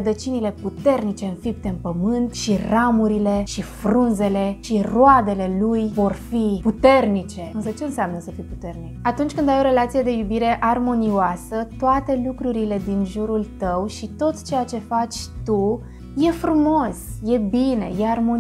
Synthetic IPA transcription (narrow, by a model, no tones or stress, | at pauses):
rəd̪ət͡ʃinile̞put̪e̞rnit͡ʃe̞ɨnfip̚t̪eɨnpəmɨnt̪ʃiramuɾile̞ʃiffɾunze̞le̞ʃiroad̪ele̞lujvo̞rfiput̪e̞rnit͡ʃe̞ɨnsət͡ʃeɨnseamnəsəfipu̥t̪e̞rnikat̪unt͡ʃʲkɨnd̪ajo̞ɾe̞lat̪sije̞d̪e̞jubiɾe̞ʔarmo̞nioasət̪oat̪e̞lukɾuɾile̞d̪inʒuɾult̪əwʃit̪o̞t̪t͡ʃe̞jat͡ʃe̞fat͡ʃʲt̪u | je̞fɾumo̞sje̞bine̞̰jearmon